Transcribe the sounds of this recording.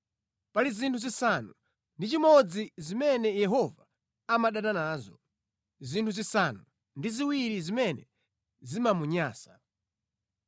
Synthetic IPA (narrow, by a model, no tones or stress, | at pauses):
palizintʰuzisanu | ndit͡ʃimɔd͡zizimɛnɛjɛɦɔva | amaɗananaːzɔ | zintʰuzisanu | ndiziwiɾizimɛnɛ̰ | zimamuɲaːsḁ